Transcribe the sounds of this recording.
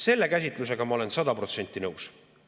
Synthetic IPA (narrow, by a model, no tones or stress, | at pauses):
se̞lːe̞kæsʲit̪ˑluse̞ɡ̥ɑmɑo̞le̞nsɑd̪ɑpro̞t̪se̞nʲt̪ːˑinɤws